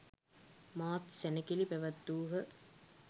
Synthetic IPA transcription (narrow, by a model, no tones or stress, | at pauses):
maːt̪sænəkilipæʋat̪ːuːɦə